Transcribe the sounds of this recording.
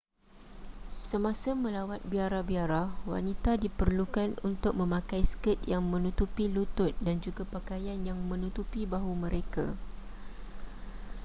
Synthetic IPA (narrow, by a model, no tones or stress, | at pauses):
səmãsamə̃lawat̪̚biaɾahbiaɾahwa̰nit̪adipərlukanunt̪ʊk̚mə̃mãkajsə̥kət̪̚jaŋmə̃nut̪upilut̪ʊt̪̚dand͡ʒuɡapakajanjaŋmə̃nut̪upibaɦumə̃ɾeka̰